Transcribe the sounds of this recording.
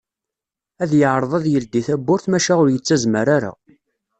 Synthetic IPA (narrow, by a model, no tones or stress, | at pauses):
æðjəʕɾˤəðˤæðjəld̪iθæbːʊɾθmæʃæʊɾjət͡sːæzməɾaɾa̰